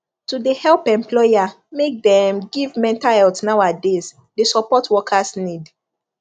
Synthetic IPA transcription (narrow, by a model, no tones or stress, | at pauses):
tudehɛlpɛ̃mplɔja | mek̚dɛ̃mɡivmɛ̃ntahɛltsnawades | desɔpɔtʰwɔkʰasnid